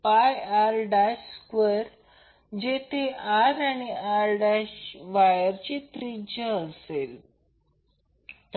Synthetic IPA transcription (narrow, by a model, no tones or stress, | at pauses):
pajaɾɖaɕkʋeɾ | d͡ʑet̪ʰeaɾaɽ̃iaɾɖaɕʋajəɾt͡ɕit̪ɾid͡ʑəəsel | t̪